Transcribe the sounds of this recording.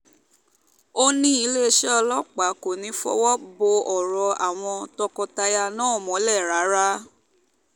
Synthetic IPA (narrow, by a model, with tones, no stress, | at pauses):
o˦nĩ˦i˧˦le˦˧ʃɛ˦ɔ˧lɔ˦k͡pa˨˦ko˨nĩ˨˦fɔ̰˦wɔ˦bo˧ɔ˨ɾɔ˧a̰˨w̃ɔ̃˧tɔ˧kɔ˧ta˧ja˧nãː˦ɔ˦˨mɔ̃˨˦lɛ˦˨ɾa˨˦ɾa˦